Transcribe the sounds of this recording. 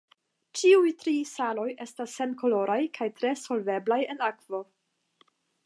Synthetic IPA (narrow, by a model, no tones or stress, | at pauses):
t͡ʃiujtɾisalo̞je̞stasːe̞nko̞lo̞ɾajkʰajtɾe̞so̞lve̞blaje̞nakv̥o̞